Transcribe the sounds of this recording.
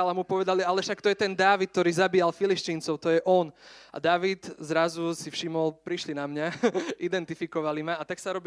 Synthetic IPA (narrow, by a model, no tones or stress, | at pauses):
alamupɔʋɛd̪alialɛʃakt̪ɔjɛt̪ɛnd̪aːʋit̪̚t̪ɔɾiːzabiːjalfiliʃtiːnt͡sɔʊt̪ɔjɛʔɔna̰d̪aːʋit̪zɾazusifʃimɔlpɾiʃlinamɲaid̪ɛnt̪ifikɔʋalimaːt̪aksaɾɔb